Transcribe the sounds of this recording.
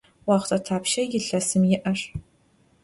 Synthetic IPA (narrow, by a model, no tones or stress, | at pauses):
waʁʷtʰʼɐtʰaːpʰʃɐjɪɬɐsɨmjɪʔɐʂ